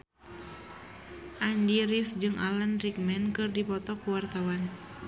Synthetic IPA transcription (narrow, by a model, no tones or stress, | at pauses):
ʔandiɾifd͡ʒɨŋʔa̰lanrik̚mɛnkɨrdipɔt̪ɔkuwart̪awan